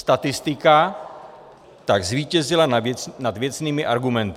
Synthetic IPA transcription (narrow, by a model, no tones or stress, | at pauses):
st̪at̪ɪst̪ɪka | t̪aɡzviːcɛzɪlannad̪vjɛt͡sniːmɪʔaɾɡumɛnt̪ɪ